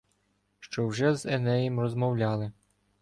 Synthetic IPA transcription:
ʃt͡ʃɔwʒɛzenɛjɪmrɔzmɔwlʲɑlˠɪ

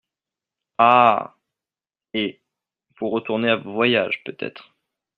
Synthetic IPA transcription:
a | e | vuʁət̪uʁneavovwajaʒpøt̪ɛ̰t̪χ

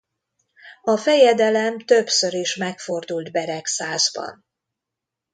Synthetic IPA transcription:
ɒfɛjɛd̪ɛlɛmt̪ø̞psøɾiʃmɛkfo̞rd̪ult̪bɛɾɛksaːzbɒ̰n

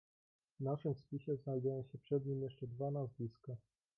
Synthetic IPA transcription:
vnaʂɘmfspʲiɕɛznajdajɔ̃w̃ɕɛpʂɛd̪ɲimjɛʂt͡ʂɛd̪vanazvʲiska

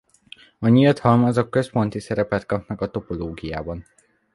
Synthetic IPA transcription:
ɒɲilt̪hɒlmɒzokːø̞spo̞nt̪isɛɾɛpɛt̪kɒpnɒkɒt̪o̞po̞loːɡija̰ːbɒn

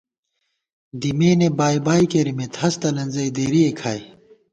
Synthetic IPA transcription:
d̪imeːnebaːjbaːikeɾimet̪hɐst̪ɐlɐnzɐjd̪eːɾiekʰaːj

